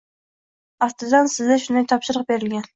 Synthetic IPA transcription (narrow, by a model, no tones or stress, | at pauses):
ɑst̪ɨd̪ɑnsɪzd̪ɛʃund̪ɑjt̪ʰɑpʃɨɾəq̚beɾɪlɡʲɛn